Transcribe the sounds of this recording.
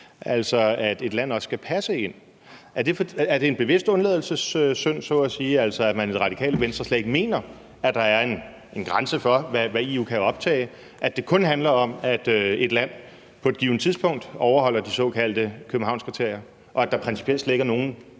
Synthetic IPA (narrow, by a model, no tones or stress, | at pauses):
ʔæl̰sɒ̽æd̥e̝d̥læn̰ɒ̽sːɡ̥æpʰæsəe̝n̰ | ʔæɐd̥e̝fæɐd̥e̝enb̥e̝ʋe̝sd̥ɔ̽nleːð̞ˠl̩səsøsøn̰sɔ̰̽æsiːæl̰sɒ̽æmæne̝d̥ʁɑ̈d̥ikʰɛ̰ːləʋensd̥ʁɐslɛ̰ɡ̥me̝̰ːnɐ | æd̥ɑ̈æɐe̝n | e̝nɡ̥ʁänsəfɒ̽ʋæʋæiːukʰæɒ̽b̥̚t͡sʰɛ̰ːɪ | ʔæd̥e̝kʰɔ̽nɦænlɐɒ̽mæd̥øe̝d̥læn̰ | pʰɒ̽e̝d̥̚ɡ̥iːʊnət͡sʰiðˠsb̥ʰɔ̽ŋ̰d̥ɒʊɐɦɒ̽l̰ɐd̥isɒ̽kʰæl̰d̥əkʰøbm̩ɑ̈ʊ̰nskʁit͡sʰe̝ɐ̰jɐ | ʔɒ̽æd̥ɑ̈pʰʁɛnsipʰelsleɡ̥ɐno̝ːn̩